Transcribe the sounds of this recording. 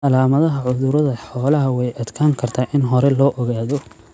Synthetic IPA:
ʔɐlaːmɐðɐɦɐʕʊðʊɾɐðɐħɔːlɐɦɐwɛjʔɐd̪kʰaːŋkʰɐrt̪ʰaːʔɪnɦɔɾɛlɔːʔɔɣaːðɔ

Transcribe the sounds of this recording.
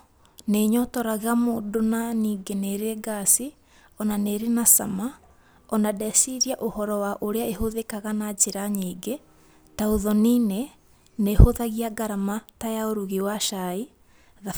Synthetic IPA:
neɲɔtɔɾaɣamoːdonaniːɡeneɾeɡasi | ɔnaneɾenasa̰ma | ɔnadɛsiɾiaʔohɔɾɔwaʔoɾeaeɦoðekaɣanat͡ʃeɾaɲiːɡe | taoðɔnine | nehoðaɣiaɡaɾamatajaoɾuɣiwaʃai | ða

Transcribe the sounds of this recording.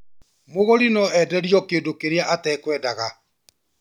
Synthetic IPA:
moɣoɾinɔɛdɛɾjɔkeːdokeɾeaʔatɛːkwɛːdaɣa

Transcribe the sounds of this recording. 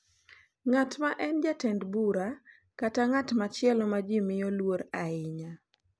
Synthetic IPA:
ŋatmaʔɛnd͡ʒatɛndbuɾa | kataŋatmat͡ʃɪɛlɔmad͡ʒimɪjolwoɾaɪɲa

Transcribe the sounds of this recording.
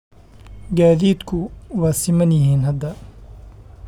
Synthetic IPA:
ɡaːðiːd̪kʰʊwaːsɪmɐnjɪɦiːnɦɐd̪ːɐ

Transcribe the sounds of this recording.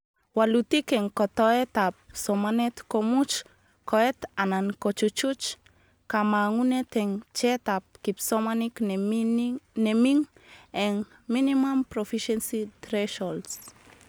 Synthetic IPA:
walutikeŋkotoetap̚somanetkomut͡ʃ | koet̪anankot͡ʃut͡ʃut͡ʃ | kamaŋunet̪eŋt͡ʃetap̚kipsomanik | nemiŋeŋ | minimampɾofiʃensitɾeʃols

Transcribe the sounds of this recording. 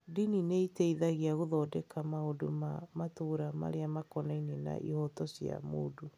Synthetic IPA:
dinineiteiðaɣeaɣoðɔdɛkamaodomamatoːɾama̰ɾeamakɔnainena̰ʔḭhɔtɔsja̰mo̰ːdo

